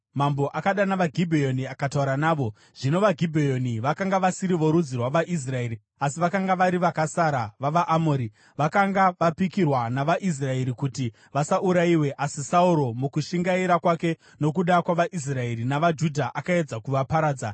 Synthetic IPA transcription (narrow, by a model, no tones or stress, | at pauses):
mambo̞ʔakaɗanaʋaɡʱibʱejo̞niakatauɾanaːʋo̞ | ʐ̥ino̞ʋaɡʱibʱejo̞niʋakaŋɡaʋasiɾiʋo̞ɾud͡zirwaʋaʔis̬rae̞ɾi | asiʋakaŋɡaʋaɾiʋakasaɾaʋaʋaʔamoːɾi | ʋakaŋɡaʋapikirwanaʋaʔis̬rae̞ɾikuti | ʋasaʔuɾaiwe̞ʔasisauɾo̞mukuʃiŋɡaiɾakwake̞ | no̞k̬uɗakwaʋaʔis̬rae̞ɾinaʋad͡ʒudʱaʔakaed͡zakuʋapaɾaːd͡za